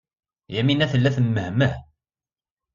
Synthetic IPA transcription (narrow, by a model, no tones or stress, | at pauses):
jæminæθəlːæθəmːəhmə